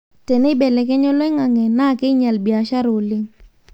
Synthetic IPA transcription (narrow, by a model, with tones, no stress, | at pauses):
te˨ne˦be˨lɛ˨ke˦ɲɔ˦lɛ˦ŋa˨ŋe˨na˦˨ke˦ɲa˨lbi˨a˨ʃa˦ɾo˨lɪ˦ŋ